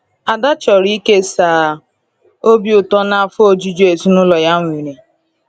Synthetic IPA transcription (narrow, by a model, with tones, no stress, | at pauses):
a˨da˦t͡ʃɔ˨ɾi˦ke˦saː˨ | o˦bi˦ʊ˨tɔ˦na˦fo˦d͡ʒi˦d͡ʒu˦e˨zu˦nʊ˦lɔ˨ja˦ŋʷ˨i˨ɾe˨